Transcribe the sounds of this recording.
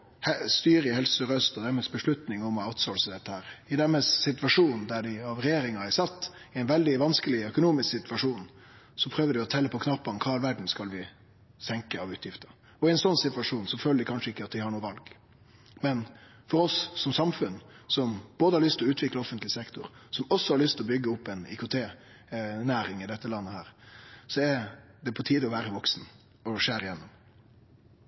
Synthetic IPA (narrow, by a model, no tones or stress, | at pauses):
hɛst̪yːɾɪhɛlsəɾœst̪ɔd̪æɾməsbəʂɭʉt̪nɪŋɔmɔaʊt̪sɔlsəd̪ɛt̪ːəhæːɾɪd̪ɛməssɪt̪ʋɑʂuːnd̪æɖɪɑʋɾɛjeːɾɪŋɑɛsɑt̪ːɪɛɪnʋɛld̪ɪʋɑnskəlɪœkʊnuːmɪsksɪt̪ʋɑʂuːnsɔpʰɾøːʋəd̪ɪɔt̪ʰɛlːəpʰɔkʰnɑpːɑnkʰɑːɛlʋæɖɳ̩skɑlʋɪ | sɛŋkəɑʋʉːt̪jɪft̪ə | ɔɪɛnsɔnsɪt̪ʋɑʂuːnsɔføːləd̪ɪkʰɑnʂəɪkːəɑt̪dʋɪhɑɾɳuːəʋɑlɡ | mɛn | fɔɾɔsːɔmsɑmfʉnsɔmb̥oːd̪əhɑɾɭʏst̪lɔʉːt̪ʰʋɪkləɔfənt̪lɪsɛkt̪ʊɾsɔmɔsːɔhɑɾɭʏst̪ɪlɔbʏɡːəʊpːɛnɪ̰kʊt̪ʰeː | næːɾɪŋɪd̪ɛt̪ːəlɑnːəhæːɾsɔɛd̪ɛpʰɔt̪ʰiːd̪ɔʋæːɾəʋɔksn̩ | ɔʂeːɾɪjɛnːɔm